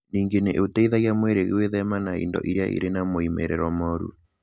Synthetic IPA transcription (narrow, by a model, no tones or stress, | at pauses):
niŋɡeneʔotɛiðaɣjamweɾeɣeweðɛmanaḭndɔ̰ʔiɾejaʔḭɾenamoimɛ̰ɾɛɾwɔmɔɾṵ